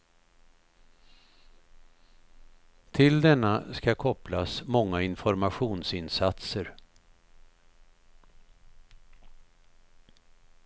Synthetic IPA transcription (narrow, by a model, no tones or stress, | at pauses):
t̪ʰɪld̪ɛnːaskakʰɔplasmɔŋːaɪnfɔɾmaɧuːnsɪnsat̪səɾ